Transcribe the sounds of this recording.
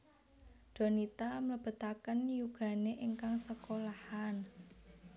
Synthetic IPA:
d̪̥ɔ̤nit̪amələb̥ə̤t̪akənjuɡ̥ä̤neʔiŋkaŋsəkolahan

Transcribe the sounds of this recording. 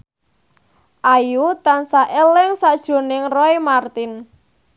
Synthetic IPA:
ʔajut̪ansaʔelɪŋsad̥ʒ̥o̤nɪŋrɔemart̪ɪn

